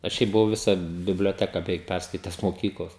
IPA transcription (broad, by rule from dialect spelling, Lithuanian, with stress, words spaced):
ɐʃ ˈʃʲɛɪp bʊˈʋɐʊ ˈʋʲɪsɑː bʲɪbʲlʲoːˈtʲæːkɐ bʲɛˈʋʲɛɪk ˈpʲærskɐɪtʲɛs moːˈkʲiːklˠoːs